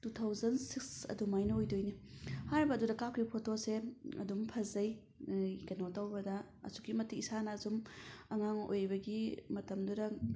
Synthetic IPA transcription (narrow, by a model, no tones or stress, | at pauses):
tutʰawzɐnsiksɐ̰dumajnɐojdojnihajɾbɐːdudɐkapʰkʰipʰotoseɐ̰dumpʰɐzɐj | ɡɐnotawbɐdɐ | ɐ̰su̥kimɐtiisanɐːzumɐŋaŋo̰jbɐɡimɐtɐmdudɐ